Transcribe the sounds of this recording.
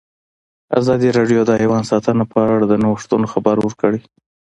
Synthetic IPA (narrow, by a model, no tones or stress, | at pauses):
a̰zɑd̪iɾɑɖjod̪ɑewɑnsɑt̪ənapəaɽad̪ənaʂt̪unoxabaɾwəɾkəɽi